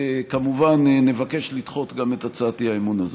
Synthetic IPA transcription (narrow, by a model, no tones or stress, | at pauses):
kamuvanːe̞vake̞ʃlitχo̞t̪ɡametat͡saːtiaemunaze